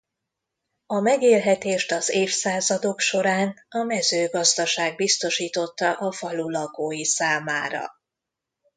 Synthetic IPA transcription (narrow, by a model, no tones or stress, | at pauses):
ɒmɛɡeːlɦɛt̪eːʃt̪ɒzeːfsaːzɒd̪o̞kʃo̞ɾaːnɒmɛzøːɡɒzd̪ɒʃaːɡ̚bist̪o̞ʃiːt̪o̞t̪ːɒʔɒfɒlulɒɡoːjisaːmaːɾɒ̰